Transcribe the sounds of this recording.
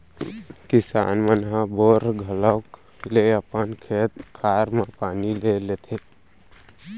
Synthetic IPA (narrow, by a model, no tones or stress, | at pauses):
kisa̰ːnmənɦãboɾɡʱələk | leəpənkʰet̪kʰaɾmepaːnilelet̪ʰe